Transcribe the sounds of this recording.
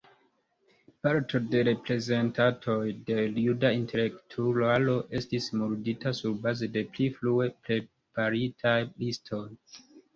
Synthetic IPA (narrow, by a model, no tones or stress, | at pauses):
paɾtʰo̞de̞ɾe̞pɾe̞ze̞ntatʰo̞jde̞ljudaintʰe̞le̞ktʰulalo̞ʔe̞stismuɾditasuɾbaze̞de̞pliflue̞pɾe̞ | paɾitʰajlistʰo̞j